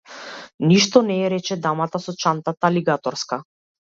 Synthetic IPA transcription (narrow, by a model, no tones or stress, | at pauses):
niʃt̪ɔnɛːɾɛt͡ʃɛd̪amat̪asɔt͡ʃant̪at̪aliɡat̪ɔɾska